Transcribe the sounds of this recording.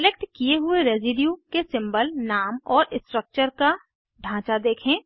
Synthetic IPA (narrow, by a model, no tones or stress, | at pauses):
sɪlek̚ʈkijeɦʊeɾeːzɪɖjukesɪ̃mbəlnaːmɔːɾɪsʈɾək̚t͡ʃəɾka | ɖʱãːt͡ʃad̪eːkʰẽː